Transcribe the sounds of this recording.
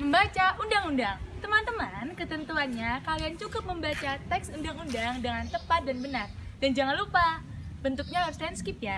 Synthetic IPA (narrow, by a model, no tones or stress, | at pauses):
məmbat͡ʃaʔundaŋundaŋt̪əmant̪əmankət̪ənt̪uanɲakaliant͡ʃukʊp̚məmbat͡ʃat̪ɛksundaŋundaŋdəŋant̪əpat̪̚danbənard̥and͡ʒaŋanlupab̥ənt̪ʊk̚ɲaɦaɾʊslanskɪp̚ja